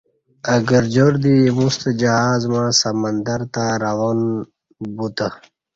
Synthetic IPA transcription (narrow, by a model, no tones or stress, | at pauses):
əɡəɾd͡ʑoɾd̪imust̪d͡ʑəhaːzmãsəmənd̪əɾt̪aɾawon | but̪ə